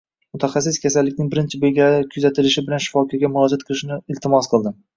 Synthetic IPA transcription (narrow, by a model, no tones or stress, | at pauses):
mʊt̪ʰaχas̬ːɪskʲʰasalːɪkʲnɪŋbɪɾɪnt͡ʃʰɪbeɡʲaɪkʲʰʊzat̪ʰɪlɪʃɪbɪlanʃɪ̥fɒkʰɒɡʲamʊɾɒd͡ʒat̪qʰɨlˠɪʃɪnɪɪlt̪ʰɪmɒsqʰɨlˠd̪ɪ